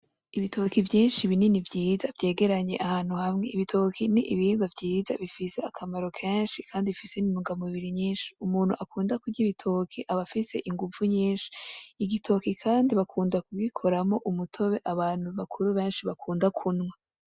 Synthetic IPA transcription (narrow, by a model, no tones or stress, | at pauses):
iβitʰo̞kivjiːnʃiβininivjiːzavje̞ːɡe̞ɾaɲe̞ʔahaːn̥huhamŋe̞iβitʰo̞kʰiniʔiβiiːɡavɟiːza̰βifiseakʰamaɾo̞kʰeːnʃikʰaːndiifisenimuɡamuβiɾiɲiːnʃi̥umuːn̥hṵʔakuːndakuiβitʰo̞kʰiʔaβafise̞̰ʔiŋɡuvuɲiːnʃi̥ːɡitʰo̞kikʰaːndiβakʰuːndakuɡikʰo̞ɾamo̞ʔumutʰo̞βe̞ʔaβaːn̥huβakʰuɾuβe̞ːnʃiβakʰuːndakʰunŋwa